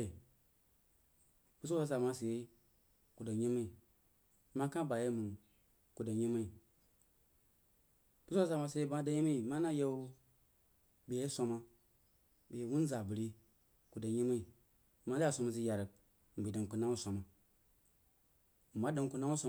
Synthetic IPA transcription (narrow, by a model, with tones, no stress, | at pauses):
bu˦sa˦sa˨ma˦se˨je˦ | ku˨da˨ɲi˦m˦i˨ | ma˦ka˦ba˨je˦mu˨n | ku˨da˨ɲi˦ma˦i˨ | bu˦sa˦sa˨ma˨se˨e˦ba˦da˨ji˦ma˦i˨ma˦na˦je˦u˦ | be˨je˦so˨ma˦ | be˨wu˦n˦za˨bi˨ɾi˦ | ku˨da˨ɲi˦ma˦i˨ | ma˦a˦˨so˨ma˨zi˦ja˨ɾə˨k̚ | m̩˨bi˨da˨ŋku˨na˦wu˦sʷo˨ma˨ | ma˦da˨n˨ku˨na˦u˦so˦